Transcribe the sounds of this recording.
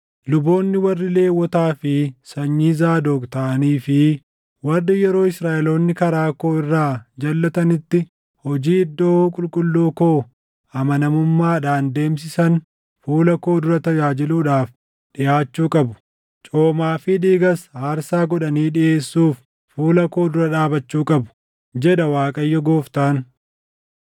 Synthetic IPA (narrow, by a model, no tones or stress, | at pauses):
lʊbo̞ːnːɪwɐrːɪle̞ːwːɔt̪aːfɪsɐɲːizaːd̪oːkt̪ɐʔɐniːfɪ | wɐrːɪjɛɾo̞ːɪsɾaːʔɛlo̞ːnːɪkɐɾaːko̞ːɪrːaːd͡ʒɐlːɐt̪ɐnɪt̪ːɪ | hɔd͡ʒiːɪd̪ːoːkʼʊlkʼʊlːuːkoː | ɐmɐnɐmʊmːaːᶑaːnd̪e̞ːmsɪsɐn | fuːlɐko̞ːd̪ʊɾɐt̪ɐjaːd͡ʒɪluːᶑaːf | ᶑɪʔaːt͡ʃːuːkʼɐbʊ̥ | t͡ʃʼoːmaːfɪd̪iːɡɐshaːɾsaːɡɔᶑɐniːᶑɪʔe̞ːsːuːfː | uːlɐko̞ːd̪ʊɾɐᶑaːbɐt͡ʃːuːkʼɐbʊ̥ | d͡ʒɛɗɐwaːkʼɐjːɔɡo̞ːft̪aːn